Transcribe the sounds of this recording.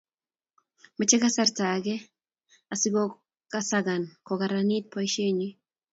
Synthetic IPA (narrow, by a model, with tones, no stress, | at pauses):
ma˨t͡ʃɛ˦ka˦saɾta˨ɡɛ˦ | a˨sɪ˦ɡɔ˦ | kasaɡa˨nkɔ˨ka˨ɾani˦t̚pɔ˦jʃe˦ɲi˦